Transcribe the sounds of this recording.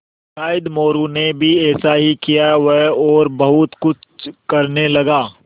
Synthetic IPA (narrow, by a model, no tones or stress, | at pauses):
kaːɪd̪moːɾunebʱiɛːsaɦikijaʋɐɦɔːɾbɐɦʊt̪kʊt͡ʃʰkɐɾnelɐɡaː